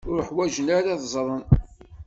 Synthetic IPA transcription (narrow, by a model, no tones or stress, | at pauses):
ʊɾəħwæʒənaɾaðzˤɾˤən